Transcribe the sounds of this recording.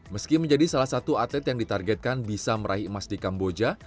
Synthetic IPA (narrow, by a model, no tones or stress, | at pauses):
məskiməɲd͡ʒadisalahsat̪uat̪lɛt̪jaŋdit̪arɡɛt̪̚kanbisaməɾʔaɦimasdikambod͡ʒa